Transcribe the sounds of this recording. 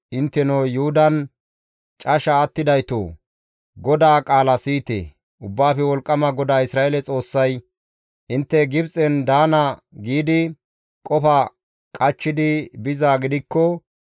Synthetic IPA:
ʔɪnt̪ːɛnoːjʊhʊd̪ɐn | t͡ʃʼɐʃɐːt̪ːɪd̪ɐjt̪o̰ː | ɡɔd̪aːkʼaːlɐsiːt̪ḛː | ʔʊbːaːfɛwɔlkʼːɐmɐɡɔd̪aːɪsɾaːʔelɛt͡sʼo̞ːsːɐj | ʔɪnt̪ːɛɡɪbt͡sʼɛnd̪aːnɐɡiːd̪ɪ | kʼɔfɐ | kʼɐt͡ʃːɪd̪ɪbɪzaːɡɪd̪ɪkːɔ

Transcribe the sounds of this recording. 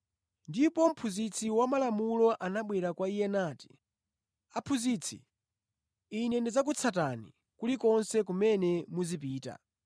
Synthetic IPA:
ndipɔm̩pʰuzit͡sʰiwamalamulɔʔanaɓwɛɾakwaijɛnaːti̥ | apʰuzit͡sʰi̥̰ | nɛndizak̬ut͡sʰatanḭ | kulikɔnsɛkumɛnɛmuzipiːta̰

